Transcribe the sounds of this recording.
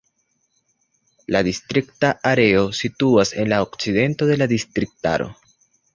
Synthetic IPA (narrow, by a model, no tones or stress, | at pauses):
ladist̪ɾiktaʔaɾe̞o̞situase̞nlaokt͡side̞nto̞de̞lad̪istɾik̚ta̰ɾo̞̰